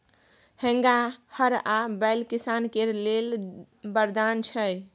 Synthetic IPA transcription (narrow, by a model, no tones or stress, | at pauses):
hẽŋɡahəɾabɛjlkisankeɾlel | bəɾd̪ant͡ʃʰəj